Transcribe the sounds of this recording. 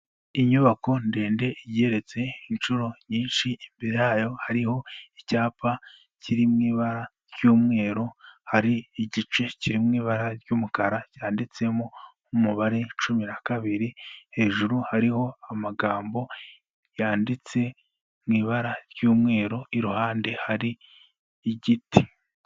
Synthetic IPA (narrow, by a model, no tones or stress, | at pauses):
iɲuβako̞ndeːnde̞iɟe̞ɾe̞t͡se̞inʃuɾo̞ɲiːnʃiimbeɾejaːjo̞haɾiho̞icaːpʰa | ciɾimŋiːβaɾa | ɾɟuːmŋe̞ːɾo̞haɾiːɟit͡ʃe̞ciɾimŋiːβaɾaɾɟuːmukaɾacaːndit͡se̞mo | umuβaɾe̞t͡ʃuminakaβiɾihe̞ːʒuɾuhaɾiho̞amaɡaːmbo̞ | jaːndit͡se̞ | mŋiːβaɾaɾjuːmŋe̞ːɾo̞iɾuhaːnde̞haɾiː | ɟiti